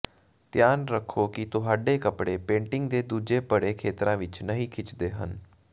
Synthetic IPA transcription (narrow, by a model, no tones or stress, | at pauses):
t̪jaːnɾəkʰːoːkɪt̪ʊɦaːɖeːkəpɽeːpẽːɳʈɪŋɡd̪eːd̪uːd͡ʒeːpəɽeːkʰeːt̪ɾãːʋɪt͡ʃnəɦĩːkʰɪt͡ʃd̪eːɦən